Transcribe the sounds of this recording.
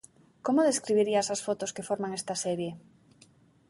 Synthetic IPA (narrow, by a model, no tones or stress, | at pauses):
komoðeskɾiβiɾiasasfot̪oskefoɾmaŋɛst̪asɛɾje